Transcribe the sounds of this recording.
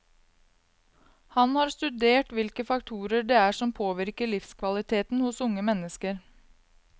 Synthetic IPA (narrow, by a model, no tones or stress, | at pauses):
hɑnhɑɾst̪ʉd̪eːʈʋɪlkəfɑkt̪ʰuːɾəɖeːæːʂɔmpʰoːʋɪɾkəɭɪfskʰʋɑlɪt̪ʰeːt̪n̩hʊsʊŋəmɛnːəskəɾ